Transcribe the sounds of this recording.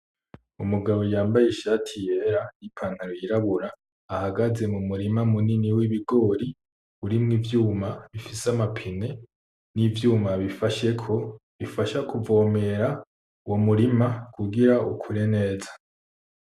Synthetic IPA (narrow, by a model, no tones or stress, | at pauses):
umuɡaβo̞jaːmbajiʃaːtʰije̞ɾanipʰaːnhaɾojiɾaβuɾaː | haɡaze̞mumuɾimamuniniwiβiɡo̞ːɾi | uɾimŋivjuːmaβifisamapʰine̞ | nivjuːmaβifaʃe̞kʰo | βifaʃakuvo̞ːme̞ɾa | uwomuɾimakuɡiɾaṵkʰuɾene̞ːzḁ